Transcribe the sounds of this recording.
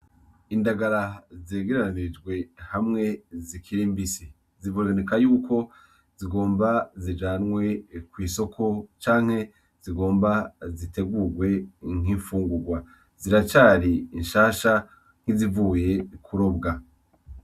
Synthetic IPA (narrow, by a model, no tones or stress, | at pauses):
indaɡaɾazeːɡe̞ɾaɾanid͡ʒɡwe̞hamŋe̞zikʰiɾimbisi | zivoɡanekajuːkʰo̞ | z̥iɡo̞ːmbazid͡ʒaːnŋwe̞kwiːso̞kʰo̞t͡ʃaːŋ̥he̞ | z̥iɡo̞ːmbazite̞ɡuɾɡwe̞ŋ̥iːɱfuːŋɡuɡwa | ziɾat͡ʃaːɾiːnʃaːʃa | ŋ̥hizivuːje̞kʰuɾo̞bɡa